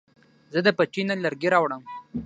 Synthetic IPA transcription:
zəd̪əpət͡ʃinalaɾɡeɾɑwɽəm

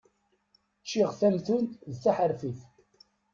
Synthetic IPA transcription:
t͡ʃːiʁθæmθunðθæħəɾfiθ

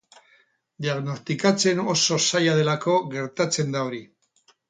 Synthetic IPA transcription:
d̪iaɣno̞st̪ikat͡se̞no̞so̞sajað̞e̞lako̞ɣe̞ɾt̪at͡se̞nd̪ao̞ɾi

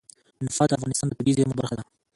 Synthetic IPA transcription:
nʊfɑt̪d̪əafɣɑnɪst̪ɑnd̪əp̪uɡizemobaɾχad̪a

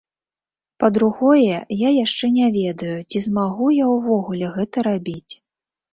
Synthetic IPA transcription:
pɐd̪ɾuɣɔjɛjajaʂt͡ʂɛnʲavʲɛd̪ɐjut͡sʲizmaɣujawvɔɣulʲɛɣɛt̪ɐɾabʲit͡sʲ

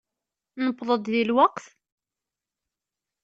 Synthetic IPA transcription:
nəpːðˤəd̪ðilwɑqθ

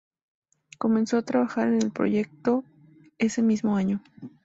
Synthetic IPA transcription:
ko̞mẽnso̞at̪ɾaβaxaɾe̞ne̞lpɾo̰ʝe̞k̚t̪o̞ | e̞se̞mizmo̞aɲo

